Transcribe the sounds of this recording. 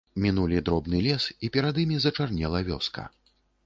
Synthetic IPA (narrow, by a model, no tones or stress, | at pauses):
mʲinulʲid̪ɾɔbnɨlʲɛsipʲɛɾad̪imʲizɐt͡ʂarnʲɛlˠɐvʲɔ̰skɐ̰